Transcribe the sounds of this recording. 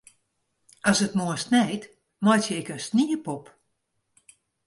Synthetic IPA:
ɔsətmuənsnɛjt | mɔjtjəɪkənstniəpɔp

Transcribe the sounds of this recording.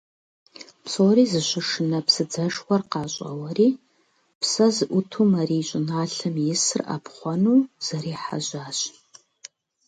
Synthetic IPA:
psoːɾiːzɨɕʷɪʂɨnɐpsɨd͡zɐʂwʷɐrqɑːɕʼɐ̰wɐriː | psɐzɨʔʷʊtʰumaɾiːɕʷʼɪnaːɬɨmjɪsɨra̰pχʷɔnuːz̥ɐɾiːħa̰ʑaːɕ

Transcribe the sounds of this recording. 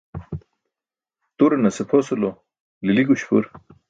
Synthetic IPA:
t̪uɾenɐsepʰosulo | liliɡuɕpṵɾ

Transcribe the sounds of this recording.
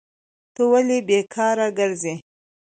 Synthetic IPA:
t̪əwalibekʰɑɾaɡəɾze

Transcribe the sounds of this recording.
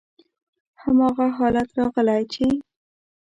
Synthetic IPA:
hamɑɣaɦɑlat̪ɾɑɣəlajt͡ʃe

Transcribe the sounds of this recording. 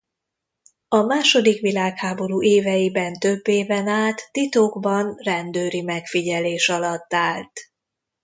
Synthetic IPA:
ɒmaːʃo̞d̪ikʋilaːkhaːbo̞ɾuːʔeːvɛjibɛnt̪øbːeːvɛnaːt̪ːit̪oːɡbɒnrɛnd̪øːɾimɛkfiɟɛleːʃɒlɒt̪ːaːlt̪

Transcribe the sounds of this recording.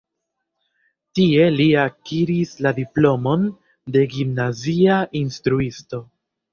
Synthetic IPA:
tie̞liakiɾisladiplo̞mo̞n | de̞ɡimnaziaʔinstɾuisto̞

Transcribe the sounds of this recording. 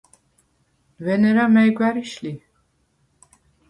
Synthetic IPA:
vɛnɛɾamɛjɡwæɾiʃli

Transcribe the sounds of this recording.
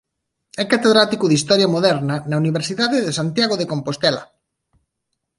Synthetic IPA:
ɛkat̪eðɾat̪ikʊðist̪ɔɾjamoðɛɾnɐnauniβ̞eɾsiðaðeðesant̪jaɣoðekompost̪ɛlɐ̰

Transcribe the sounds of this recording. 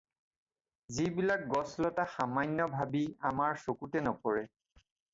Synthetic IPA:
zibilak̚ɡɔslɔtaxamajnːɔbʱabiamaɹsokutɛnɔkɔɹɛ

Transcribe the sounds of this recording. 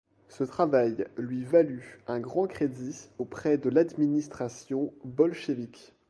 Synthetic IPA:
sət̪χavajlɥivalyɛ̃ɡʁɑ̃kχed̪iopχɛd̪əlad̪minist̪χasjɔ̃bɔlʃevik

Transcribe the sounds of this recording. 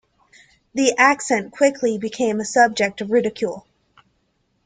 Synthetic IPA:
ðiʔæksɛ̃nkʰw̥ɪkʰlibɨkʰẽɪ̃məsʌb̚d͡ʒɨk̚tʌvɹɪɾɨkʰj̥ulˠ

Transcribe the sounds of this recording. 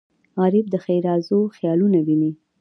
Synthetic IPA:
ɑɾɪb̚d̪əxajɾɑzoxjɑlunawini

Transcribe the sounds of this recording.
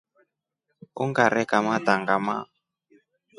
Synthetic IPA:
ṵŋɡaɾɛkamataŋɡama̰

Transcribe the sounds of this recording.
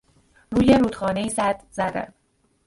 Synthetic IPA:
ruːjeɾuːd̪xɒːne̞iːzæd̪zæd̪æ̰n

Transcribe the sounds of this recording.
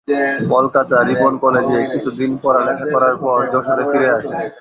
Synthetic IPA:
kɔlkat̪aɾibonkɔled͡ʑekit͡ɕʰud̪inpɔɾalɛkʰakɔɾaɾpɔɾd̪ɔʃoɾefʰiɾeaʃe

